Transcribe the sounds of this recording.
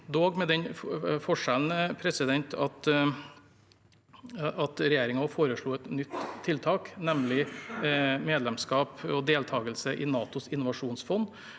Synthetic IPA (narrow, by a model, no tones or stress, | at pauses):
d̪oːɡmɛd̪ɛɲfɔʂɛln̩pʰɾɛsɪd̪ɛnt̪ʰɑt̪ | ɑt̪ɾɛjeːɾɪŋɑfoːɾəʂɭuːɛt̪nʏt̪ʰːɪlt̪ʰɑːknɛmlɪ | meːd̪lɛmskɑːpɔd̪eːlt̪ʰɑːɡəlsəʔɪnɑːt̪ʊsɪnːʊʋɑʂuːnsfɔnː